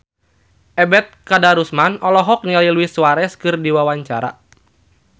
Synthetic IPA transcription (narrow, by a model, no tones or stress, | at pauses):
ʔɛbɛt̪̚kadaɾusmanɔlɔɦɔk̚nialiluisuwaɾɛskɨrdiwawaɲt͡ʃaɾa̰